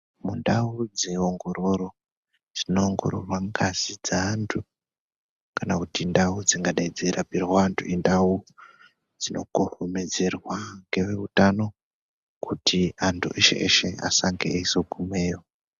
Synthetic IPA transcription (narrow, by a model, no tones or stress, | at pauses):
mundaud͡ze̞oŋɡo̞ɾo̞ɾo̞ | d͡zino̞ŋɡo̞̰ɾorwaŋɡazid͡zaːntʰu | kanakutindaud͡ziŋɡaɗaid͡zeɾapirwaːntʰuindau | d͡zino̞ɡohomed͡ze̞rwaŋɡe̞ʋe̞utano̞ | kutʰiantʰṵʔeʃḛʔḛʃe̞a̰saŋɡeeisoɡʱumeːjo